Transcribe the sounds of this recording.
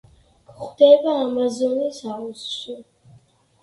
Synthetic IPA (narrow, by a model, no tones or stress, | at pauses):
χd̪̥ɛbaːmazɔnisausʃi